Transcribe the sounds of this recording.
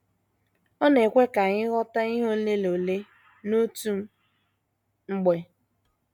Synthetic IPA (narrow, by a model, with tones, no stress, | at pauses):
ɔ˦ne˨kʷe˦ka˨ɲɪ˦ɣɔ˦ta˦i˦ɦo˦n̩˦le˦lo˨le˦ | no˦tu˦m̩˦ | ŋ͡m̩˦ɡ͡be˨